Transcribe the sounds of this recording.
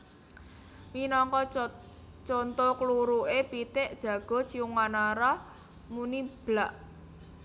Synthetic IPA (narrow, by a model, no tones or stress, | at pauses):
minɔŋkɔ | t͡ʃont̪okluɾuʔepit̪ɪʔd̥ʒ̥ä̤ɡ̥ɔ̤t͡ʃiuŋːanaɾa | munib̥laʔ